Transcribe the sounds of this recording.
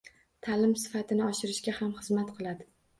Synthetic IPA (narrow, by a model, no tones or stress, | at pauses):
t̪ʰalɪmsɪ̥fat̪ʰɪnɪɒʃɪɾɪʃɡʲahamχɨzmat̪qʰɨlˠad̪ɪ